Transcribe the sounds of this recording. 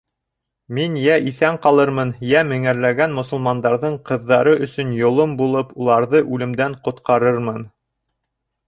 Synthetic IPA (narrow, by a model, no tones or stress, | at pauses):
minjæʔiθæɴqɑlˠɤɾmɤnjæmɘ̆ŋæɾlæɡænmŏsŏlˠmɑnd̪ɑɾðɤɴqɤ̆ðːɑɾɤʔɵ̆sɵnjŏlˠombulˠɤpulˠɑɾðɤʔʉlɘ̆md̪æɴqŏt̪qɑɾɤɾmɤn